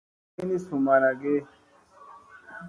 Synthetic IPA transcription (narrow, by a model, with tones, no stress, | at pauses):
i˦ni˦su˨ma˨ɾa˨ɡe˦